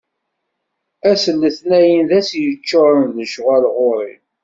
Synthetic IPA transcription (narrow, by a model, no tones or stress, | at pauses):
æsəlːəθnæjənðæsjət͡ʃːoɾˤənðəʃʁælʁoɾˤḭn